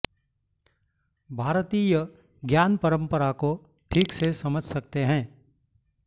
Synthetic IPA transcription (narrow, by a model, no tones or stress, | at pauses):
bʱaːɾt̪iːjə | ɡjaːnpəɾə̃mpəɾako | ʈʰiːksesɐməd͡ʒʱsɐk̚t̪eɦɛ̃ː